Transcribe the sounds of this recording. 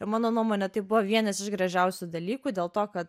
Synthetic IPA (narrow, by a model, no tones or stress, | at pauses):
ɪmɑːnoːnuɔmoːnʲɛt̪ɐɪbʊʋoʋʲiɛnɐsɪʃɡɾɐʒʲɛʊsʲud̪ɐlʲiːkuːd̪ʲeːlˠt̪oːkɐt̪